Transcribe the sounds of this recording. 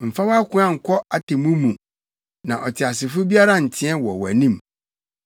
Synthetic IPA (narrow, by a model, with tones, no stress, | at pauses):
m̩˨fa˦wa˦kʰʊ̃˦ã˦˨ŋ̩˨kʰɔ˦a˨tɪ˨mũ˦mũ˨ | nã˨ʔɔ˨tʰɪ˨a˨sɪ˨fʊ˦bi˦a˦ɾa˦n̩˨tʰɪ̃˦ɛ˦wɔ˨wɔ˨æ̰˨nĩ˦m